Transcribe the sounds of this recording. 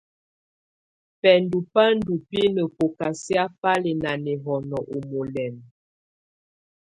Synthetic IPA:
pɛ˨ndu˨pa˦n̩˦du˨pi˦nə˨po˨ka˨sja˦pa˦le˨na˨nɛ˨ɦɔ˨nɔ˨ʔo˨mo˨lɛ˨n

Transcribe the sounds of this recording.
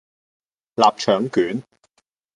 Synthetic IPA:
laː˨p̚t͡ʃʰœː˨˥ŋkyː˨˥n

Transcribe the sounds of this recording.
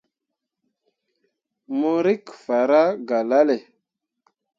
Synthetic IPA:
mo˦ɾi˦kfa˨ɾa˦ɡa˨la˦le˨

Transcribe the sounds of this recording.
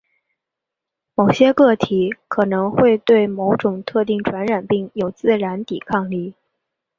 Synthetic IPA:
mo˨˩ʊɕjɛ˥kɤ˥˩t̪ʰi˨˧˥kʰɤ˨˩nɤ˧˥ŋxwe˥˧ɪt̪we˥˩ɪmo˧˥ʊʈ͡ʂʊ˨˩ŋt̪ʰɤ˥˧t̪i˥˩ŋʈ͡ʂʰwa˧˥nɻa˨˩npi˥˩ŋjo˨˩ʊt͡sɹ̩˥˩ɻa˧˥nt̪i˨˩kʰɑ˥˧ŋli˥˩

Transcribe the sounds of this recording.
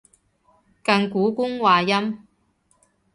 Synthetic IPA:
kɐ˧ŋkuː˨˥kʊ˥ŋwaː˨jɐ˥m

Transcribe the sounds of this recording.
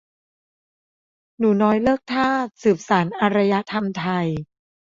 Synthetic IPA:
nuː˩˦nɔː˦˥jlɤː˥˩k̚t̪ʰaː˥˩sɯː˨˩p̚saː˩˦nʔa˧ɾa˧ja˦˥t̪ʰa˧mt̪ʰa˧j

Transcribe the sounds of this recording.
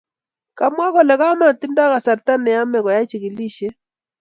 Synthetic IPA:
ka˨mwa˦kɔ˨lɛ˨ɣa˦ma˨ti˦nda˦ɣa˨sa˨ɾta˦nɛ˨ja˦mɛ˨ɣɔ˨ja˦t͡ʃi˨ɣi˨li˦ʃɛ˦

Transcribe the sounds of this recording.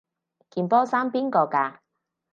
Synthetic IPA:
kiː˨npɔː˥saː˥mpiː˥nkɔː˧kaː˧

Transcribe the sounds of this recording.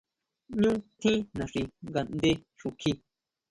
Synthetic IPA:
ɲũ˦t̪ʰĩ˦nã˨ʂi˧ŋɡa˨nd̪e˧ | ʂu˨˧kʰi˧

